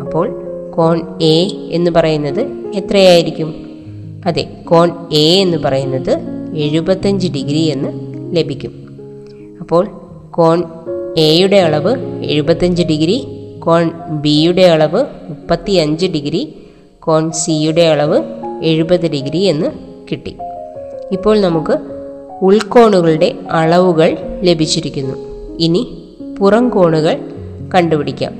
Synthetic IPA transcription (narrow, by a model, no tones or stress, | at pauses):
ɐpːo̞ːɭko̞ːnee̞nːɨpɐrɐjunːɐðɨet̪rɐjaːjiɾikʲːum | ɐðḛ | ko̞ːnee̞nːɨpɐrɐjunːɐðɨe̞ɻubɐt̪ːɐɲd͡ʑɨɖiɡɾie̞nːɨle̞bʱikʲːum | ɐpːo̞ːɭ | ko̞ːɳ | ejuɽe̞ɐɭɐʋɨe̞̰ɻubɐt̪ːɐɲd͡ʑɨɖiɡɾiko̞ːɳbijuɽe̞ɐɭɐʋɨmupːɐt̪ːiɐɲd͡ʑɨɖiɡɾi | ko̞ːɳsijuɽe̞ɐɭɐʋɨe̞ɻubɐðːɨɖiɡɾie̞nːɨ | kiʈːḭ | ipːo̞ːɭnɐmukːɨ | uɭko̞ːɳuɣɐɭuɽe̞ɐɭɐʋuɣɐɭle̞bʱit͡ɕːiɾikʲːunːṵ | ini | purɐŋko̞ːɳuɣɐɭ | kɐɳɖupiɽikʲːa̰ːm